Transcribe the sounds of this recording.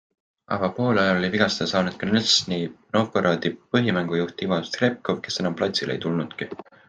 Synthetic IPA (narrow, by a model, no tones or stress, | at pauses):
ʔɑ̰ɡ̥ɑpo̞ːlɑjɑlo̞lʲiviɡ̥ɑsesɑːnud̪̥̚kɑnelsnino̞pːˑoɾɑːd̪ipɤɦimæŋɡ̥ujuht̪ivɑst̪krep̚kovke̞se̞nɑmplɑt̪silʔḛjt̪ulnud̪̥ki